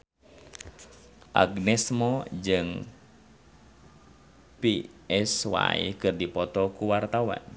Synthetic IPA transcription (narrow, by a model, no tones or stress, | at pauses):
ʔa̰ɡnɛsmɔd͡ʒɨŋ | piɛswa̰ḭkɨrdipɔt̪ɔkuwart̪awa̰n